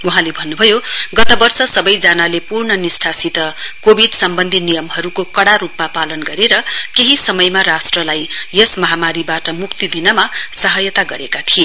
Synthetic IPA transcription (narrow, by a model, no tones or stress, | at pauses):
uɦãlebʱʌnːubʱʌjoɡʌt̪ʌbʌrsʌsʌbʌjd͡zanalepurɳʌnisʈʰasit̪ʌkobʱiɖsʌmbʌnd̪ʱinijʌmhʌɾukokʌɽaɾupmapalʌnɡʌɾeɾʌkeɦisʌmʌjmaɾasʈrʌlajjesmʌɦamaɾibaʈʌmukt̪id̪inʌmasʌɦʌjʌt̪aɡʌɾekat̪ʰie